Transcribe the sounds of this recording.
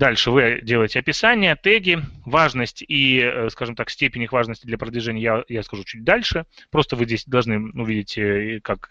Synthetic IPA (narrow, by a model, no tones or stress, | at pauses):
d̪alʲʂɨvɨdʲe̞lˠəjɪtʲɪɐpʲɪsanʲɪjəɐt̪ɛɡʲɪvaʐnəsʲtʲiəskaʐɨmt̪aksʲtʲepʲɪnʲɪxvaʐnəsʲtʲɪd̪lʲɐpɾəd̪vʲɪʐɛnʲɪjəjajaskɐʐut͡ɕut̚ʲd̪alʲʂɨpɾo̞st̪əvɨzʲdʲesʲd̪ɐlˠʐnɨʊvʲidʲɪtʲəkak